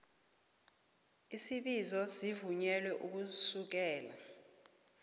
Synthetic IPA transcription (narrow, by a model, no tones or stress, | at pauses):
isiɓizɔsivuɲɛlwɛʔuk̬usuk̬ɛːla